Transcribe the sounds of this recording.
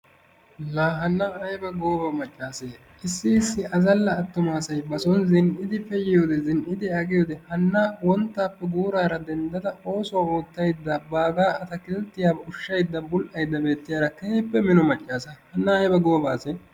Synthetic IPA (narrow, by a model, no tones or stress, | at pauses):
laːɦɐnːɐːjbɐɡo̞ːbɐmɐt͡ʃʼːaːseː | ʔɪsːɪɪsːɪʔɐzɐlːɐːt̪ːʊmaːsɐjbɐsɔnzɪnʔɪd̪ɪfɛjɪjo̞ːd̪ɛzɪnʔɪd̪ɪɐɡɪjo̞ːd̪ɛhɐnːaːwɔnt̪ːaːpːɛɡuːɾaːɾɐd̪ɛnd̪ɐd̪ɐo̞ːsɔwaoːt̪ːɐjd̪ːaːbaːɡaːɐt̪ɐkɪlt̪ːɪjaːʊʃːɐjd̪ːɐbʊlʔɐjd̪ːɐbe̞ːt̪ːɪjaːɾɐkehɪpːɛmɪnɔmɐt͡ʃʼːaːsɐhɐnːɐɐjbɐɡo̞ːbaːseː